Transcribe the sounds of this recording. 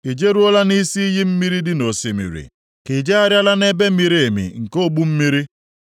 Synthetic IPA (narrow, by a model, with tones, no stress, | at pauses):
i˨d͡ʒe˦ɾu˦ɔ˦la˦ni˦si˦i˦ɦi˦m̩˦mi˦ɾi˦dɪ˦no˨si˨mḭ˨ɾḭ˨ | ki˨d͡ʒe˦a˦ɾja˦la˦ne˦be˦mi˨ɾi˦e˨mḭ˨ŋ̩˨ko˦bu˦m̩˦mi˦ɾi˦